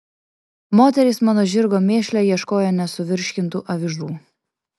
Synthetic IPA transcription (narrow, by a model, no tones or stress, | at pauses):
moːt̪ʲɛɾʲɪsmɑːnoːʒʲɪɾɡoːmʲeːʃʲlʲɛjiɛʃkoːjoːnʲɛsʊʋʲɪɾʲʃʲkʲɪnˑt̪ṵːʔɐʋʲɪʒɾuː